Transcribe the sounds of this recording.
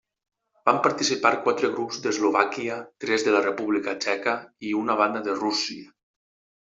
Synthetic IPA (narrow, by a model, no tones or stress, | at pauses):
bampaɾt̪isipaɾkwat̪ɾəɣ̞ɾupzd̪əzloβakiət̪ɾɛzðəlarəpuβlikət͡ʃɛkəiunaβ̞and̪əðərusiə